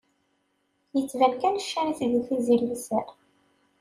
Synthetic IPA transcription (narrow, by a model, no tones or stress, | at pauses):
jət͡sːvælkænəʃːæɾiθəɡuθiziɾlisæɾ